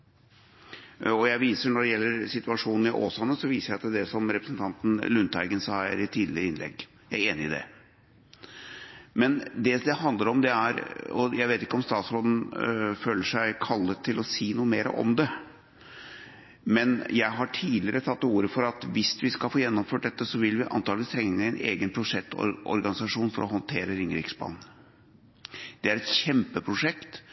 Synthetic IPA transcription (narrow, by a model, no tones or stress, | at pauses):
ɔjæɪʋiːsəɳɔɖɛjɛlːəɾsɪt̪ʉɑʂuːnn̩ɪʔo̰ːsɑnəsɔʋiːsəɾjæɪɑt̪ɛd̪ɛsɔmɾɛpɾəsn̩t̪ʰɑnt̪n̩lʉnt̪æɪɡənsɑːæɾɪt̪ʰiːd̪lɪɾəɪnlɛ̰ɡ | jæɾeːnɪɪd̪ɛ̰ | mɛnd̪ɛd̪ɛhɑnd̪ləɾɔmd̪ɛæɾɔ̰jæɪʋeːt̪ɪkːəɔmst̪ɑːt̪sbod̪n̩føːləʂæɪkʰɑlːət̪ʰːɪlɔsiːnuːəmeːɾə̰ʔɔ̰md̪ɛ | mɛnjæɪɦɑʈʰiːlɪəɾət̪ʰɑt̪ːuːɾəfɔɾɑt̪ʋɪsʋɪskɑlfoːjɛnːɔmføːʈ̚d̪ɛt̪ːəsɔʋɪlʋɪʔɑ̰nt̪ɑːlʋɪst̪ʰɾɛŋːəɛnḛːɡənpʰɾʊʂɛt̪ːɔ̰ɾɔ̰ɾɡɑnɪsɑʂuːnfɔɾɔɦɔnt̪ʰeːɾəɾɪŋɾɪksbɑ̰ːnn̩ | d̪̥ɛæɾɛt̪ɕɛmpəpʰɾʊʂɛkt̪